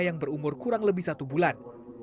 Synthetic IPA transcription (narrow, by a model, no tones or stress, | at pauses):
jaŋbəɾumʊrkuɾaŋləbɪhsat̪ubulan